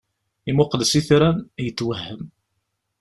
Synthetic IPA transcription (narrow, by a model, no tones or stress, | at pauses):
imʊqləsiθɾænæjət̪ːwəhːəm